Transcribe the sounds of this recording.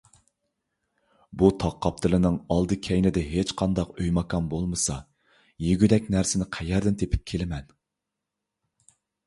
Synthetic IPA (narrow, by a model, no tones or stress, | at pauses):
but̪ʰɑqʰːɑp̚t̪ʰɨlˠɨnɪŋɑlˠd̪ɨkʲʰɛjnɪd̪ɛɦet͡ʃqʰɑnd̪ɑqøjmɑkʰɑmbolˠmɨsɑ̰ | jeɡʲyd̪ɛkʲnæɾsɪnɪqʰɛjɛɾd̪ɪnt̪ʰepʰɪ̥p̚kʲʰelɪmɛn